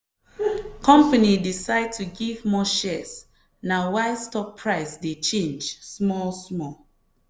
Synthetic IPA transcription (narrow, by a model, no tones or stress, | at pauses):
kʰɔ̃mpanidisaɪd̚tʰuɡivmɔʃɛs | nawaɪstɔppʰːɹaɪsdet͡ʃẽnd͡ʒsmɔlsmɔl